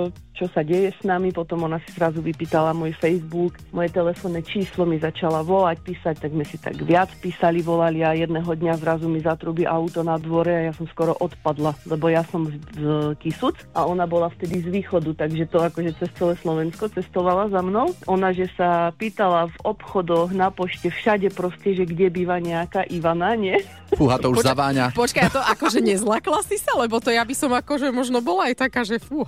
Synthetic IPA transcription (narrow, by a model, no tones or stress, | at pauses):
t͡ʃɔsaɟɛjɛsnamipɔt̪ɔmɔnasizɾazuʋipiːt̪alamʊɔjfɛjzbukmɔjɛt̪ɛlɛfɔnːɛt͡ʃiːslɔmizat͡ʃalaʋɔlac̚piːsac̚t̪aɡzmɛsit̪a̰ɡʋɪat͡spiːsaliʋɔlaliajɛd̪nɛɦɔd̪ɲazɾazumizat̪ɾubiʔaut̪ɔnad̪ʋɔɾɛajasɔmskɔɾɔʔɔt̪pad̪lalɛbɔjasɔmzkisut͡sʔaɔnabɔlaft̪ɛd̪izʋiːxɔd̪ut̪aɡʒɛt̪ɔakɔʒɛt͡sɛst͡sɛlɛslɔʋɛnskɔt͡sɛst̪ɔʋalazamnɔʊʔɔnaʒɛsapiːt̪alavɔpxɔd̪ɔɣnapɔʃcɛfʃaɟɛpɾɔscɛʒɛɡɟɛbiːʋaɲɛakaʔiʋanaɲɪɛ | fuɦat̪ɔuzaʋaːɲapɔt͡ʃkajt̪ɔʔakɔʒɛɲɛzlaklasisalɛbɔt̪ɔjabisɔmakɔʒɛmɔʒnɔbɔlaajt̪akaːʒɛfuɦa